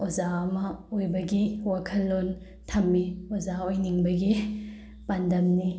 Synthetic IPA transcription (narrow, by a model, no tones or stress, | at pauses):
ozaɐmɐojbɐɡiwakʰɐlːon | tʰɐmːiozaojniŋbɐɡi | pandɐmni